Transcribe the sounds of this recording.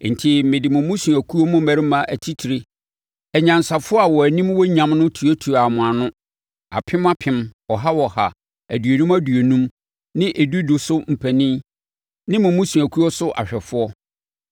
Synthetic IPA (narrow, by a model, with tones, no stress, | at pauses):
n̩˨tʰi˦mɪ̃˨dɪ˨mʊ̃˨mʊ̃˦su˨æ˨kʰu˦ɔ˦mʊ̃˦mæ˨ɾɪ˦mã˨ʔæ˨tʰi˦tʰi˨ɾi˦ | ɛ˨ɲã˨n˨sa˨fʊ˦ɔ˦a˨wɔ˨æ˨nĩ˦mwɔ˦ɲã˨mnʊ̃˦tʰu˨ɔ˦tʰu˨a˨mʊ̃˨a˨nʊ̃˦ | a̰˨pʰɪ̃˦ma˦pʰɪ̃˦mɔ˨ɦa˦wɔ˨ha˨ | æ˨dɥo˨nũ˦mæ˦du˨o˨nũ˦m | nɪ̃˦ʔe˨du˦du˨sʊ˦m̩˨pʰæ˨nĩ˦ | nɪ̃˦mʊ̃˨mʊ̃˦su˨æ˨kʰu˦ɔ˦sʊ˦ʔa̰˨ɕᶣɛ˨fʊ˦ɔ˦